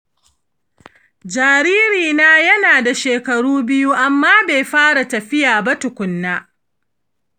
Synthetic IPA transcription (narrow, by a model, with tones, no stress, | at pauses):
d͡ʒaː˨ɾiː˦ɾiː˨naː˦jɐ˦naː˨da˨ʃeː˨kɐ˨ɽuː˦bɪ˦ju˦ʔa˨mːaː˦be˨jɸaː˦ɽa˨tɐ˨ɸɪ˦jaː˨ba˦tʊ˨kʷʊ˨nːaː˦